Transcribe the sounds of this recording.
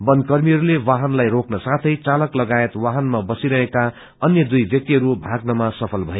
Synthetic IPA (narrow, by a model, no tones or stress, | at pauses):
bʌnkʌrmiɦʌɾulewaɦʌnlajɾoknʌsat̪ʰʌjt͡salʌklʌɡaet̪waɦʌnmabʌsiɾʌɦeka | ʌnjʌd̪ujbjʌk̚t̪iɦʌɾubʱaɡnʌmasʌpʰʌlbʱʌe